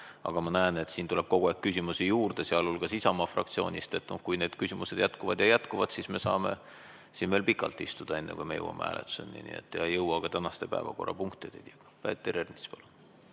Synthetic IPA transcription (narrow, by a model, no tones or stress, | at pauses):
ɑ̰ɡ̥ɑmɑnæene̞t̪siːnt̪uleb̥ko̞ɡ̥ueˑkkːysʲimusijuːrd̪̥e̞seɑlolkɑsisɑmɑfrʔɑ̰kt̪sio̞ːnʲist̪e̞t̪ːnukujne̞ːd̪kysimuse̞d̪̥jæt̪kuvɑd̪jɑjæt̪kuvɑd̪̥sisme̞sɑːmḛ | sinme̞ːlpikːˑɑlt̪ˑːist̪ud̪̥ɑe̞nːekujmejɤ̰wɑ̰meæ̰ːlʔet̪ːu̥sḛnːḭnḭḛt̪ːˑjɑjɤwɑɡ̥ɑt̪ænɑst̪e̞pæ̰evɑ̰ko̞rːɑ̰puŋkt̪id̪ed̪̥ɑ̥ɑpæt̪ːeɾernispɑlu